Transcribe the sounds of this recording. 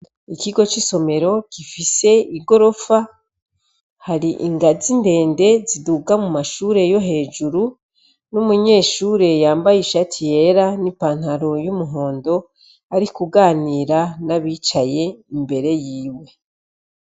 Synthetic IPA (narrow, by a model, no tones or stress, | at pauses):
ikiɡo̞t͡ʃiso̞me̞ɾo̞kifise̞iɡo̞ɾo̞fa | haɾiʔiŋɡazinde̞ːnde̞ziduɡamumaʃuːɾe̞jo̞ɦe̞ːd͡ʒuɾu | numuɲe̞ːʃuːɾe̞jaːmbajiʃatʰije̞ɾanipaːn̥haɾo̞jumuɦo̞ːndo̞ | aɾikuɡaːniːɾanaβiːt͡ʃaje̞imbe̞ɾe̞jiːwe̞